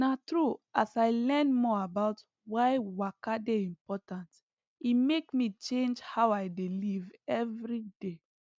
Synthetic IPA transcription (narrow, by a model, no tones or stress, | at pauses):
natɹuasaɪlɛ̃nmɔabaʊt | waɪwakadeĩmpɔtãnt | imekmit͡ʃẽnd͡ʒhaʊaɪdelivɛvɹide